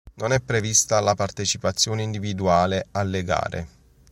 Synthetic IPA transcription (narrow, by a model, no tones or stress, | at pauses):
nonɛpːɾevist̪alapart̪et͡ʃipat̪sːjoːneind̪ivid̪uaːlealːeɡa̰ːɾʔḛ